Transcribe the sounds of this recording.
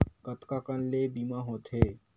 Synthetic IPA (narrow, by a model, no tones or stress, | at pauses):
ɡət̪kakənleːbiːmaɦoːt̪ɦeː